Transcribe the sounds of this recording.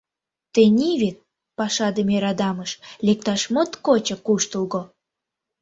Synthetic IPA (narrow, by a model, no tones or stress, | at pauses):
t̪enʲiβet̪̚ | pɑʃɑd̪əmeɾɑd̪ɑməʃlek̚t̪ɑʃmot̪kot͡ɕə̆kuʃt̪ulɣo